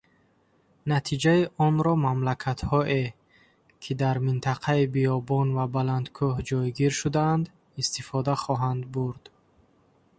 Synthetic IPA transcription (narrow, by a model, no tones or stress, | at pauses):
nat̪ʰid͡ʒaiʔɔnɾɔmamlakʰat̪hɔʔe | kʰid̪aɾmint̪ʰaqʰaibiɔbɔnvabaland̪kʰuhd͡ʒɔjɡiɾʃud̪aːnd̪ | ist̪ifɔd̪aχɔɦand̪̚buɾd̪̥